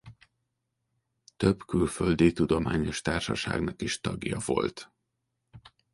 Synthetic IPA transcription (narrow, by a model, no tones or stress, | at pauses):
t̪ø̞bkylfø̞ld̪iːt̪ud̪o̞maːɲo̞ʃt̪aːrʃɒʃa̰ːɡnɒkiʃt̪ɒɡjɒvo̞̰lt̪